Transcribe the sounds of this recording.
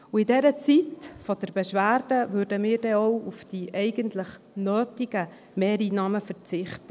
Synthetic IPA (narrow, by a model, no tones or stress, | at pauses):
uɪdɛɾət͡sitfɔd̥əɾbɛʃʋæːɾd̥əvøːɾdəmiːɾdɛɔʊufd̥iʔɛɪɡəntlɪχ | nøːtɪɡə | mɛːɾiːnɑːməfəɾt͡sɪχtə